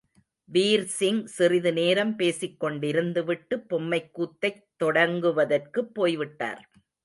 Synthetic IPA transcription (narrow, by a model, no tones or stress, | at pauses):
ʋiːɾsɪŋsɪrɪðɯneːɾɐmpeːsɪkːɔɳɖɪɾɯnd̪ɯʋɪʈːɯpːɔmːɐɪkːuːt̪ːɐɪt̪ːɔɽɐŋɡɯʋɐðɐrkɯpːoːjʋɪʈːa̰ːɾ